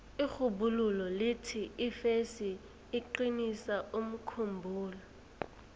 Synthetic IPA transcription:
ixubululɔlɪtʰiifesiː | ǃinisaʔum̩kʰumbʱuːlɔ

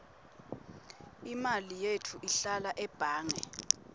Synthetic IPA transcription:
imalijetʰuʔiɬalaʔɛb̥ʱaːŋɛ

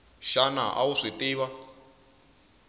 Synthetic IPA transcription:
ʃana̰ʔa̰wuʂitʼɪːβa

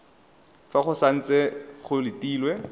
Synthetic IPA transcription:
faχʊsan̩t͡sʼɛχʊlɪtiːlwɛ

